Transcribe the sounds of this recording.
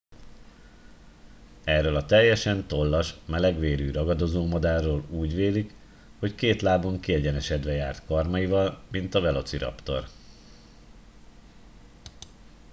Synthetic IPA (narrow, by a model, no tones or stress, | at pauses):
ɛrːøːlɒt̪ɛjːɛʃɛnt̪o̞lːɒʃmɛlɛɡʋeːɾyːɾɒɡɒd̪o̞zoːmɒd̪aːrːoːluːɟʋeːlik | ho̞ckeːt̪laːbo̞ŋkiɛɟɛnɛʃɛd̪ʋɛjaːrt̪kɒrmɒjivɒlmint̪ɒvɛlo̞t̪siɾɒ̰pt̪o̞̰r